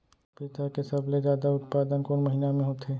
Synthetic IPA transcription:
pit̪akesɐbled͡ʒjaːd̪aʊt̪paːd̪ənkoːnmɐɦinamẽɦoːt̪eː

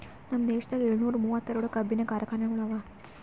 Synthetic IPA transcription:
nɐmːɐd̪eːʂɐt̪aːɡeɭunuːɾumuːʋɐt̪ːɐɾoɽukɐbʱinɐkaːɾɐkaːnɐŋuɽaʋa

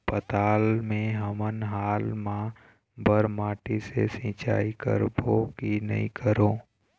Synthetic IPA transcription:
pət̪aːlmẽɦəmənɦaːlmã | bəɾmaːʈisḛsĩːt͡ʃa̰ːikə̰ɾboːkinə̰ɦḭ̃kʰəɾõː

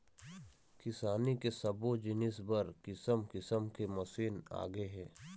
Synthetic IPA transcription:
kɪsaːnikesɐbod͡ʒɪnɪsbəɾkɪsəmkɪsəmkemɐsiːna̰ːɡeɦɛ̃ː

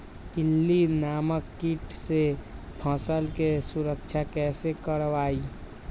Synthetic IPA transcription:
ɪlːinaːməkːiʈse | pʰə̃ːsəlkesʊɾəkt͡ʃʰakɛːsekəɾʋaːi

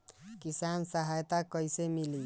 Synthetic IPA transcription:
kisansəɦajt̪akʌjsemili

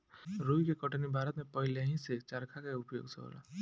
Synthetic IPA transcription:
ɾoikekəʈnibʱaːɾət̪mẽpəɦɪleɦĩset͡ʃəɾkʰakaʊpjo̰ːɡseɦo̰ːla̰

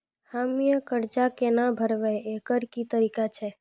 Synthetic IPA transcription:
hamijəkəɾd͡ʒakenabʱəɾʋɛekəɾkit̪əɾikat͡ʃʰɛ

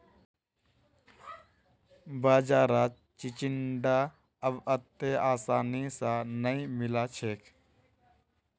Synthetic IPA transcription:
baːd͡ʒaːɾaː | t͡ʃit͡ʃɪɳɖa | əbət̪ːeaːsaːnisãnəĩmɪlaːt͡ʃʰeːkʰ

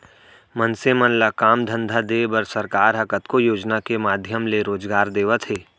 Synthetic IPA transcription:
mənsemənləkaːmd̪ʱə̃nd̪ʱad̪eːbəɾsəɾkaːɾɦɐkət̪kojoːd͡ʒnakemaːd̪ʱjəmleɾoːd͡ʒɡaːɾd̪eːʋət̪ɦeː

